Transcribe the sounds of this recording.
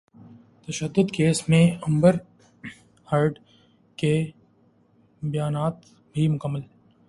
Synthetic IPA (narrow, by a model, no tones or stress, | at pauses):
t̪ɐʃəd̪ːʊd̪keːsmẽɐ̃mbəɾ | həɾɖ | ke | bɐjaːnaːt̪ | bʱimʊkəmːəl